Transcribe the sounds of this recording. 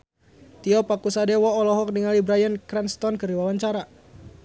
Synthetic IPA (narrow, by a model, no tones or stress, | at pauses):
t̪iɔpakusadɛwɔːlɔɦɔk̚diŋalibɾajənkɾɛnst̪ɔnkɨriwawaɲt͡ʃaɾa